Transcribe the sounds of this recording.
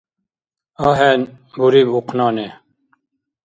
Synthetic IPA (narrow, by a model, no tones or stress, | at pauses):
ɑːɦɛn | buɾiːbuqnɑːne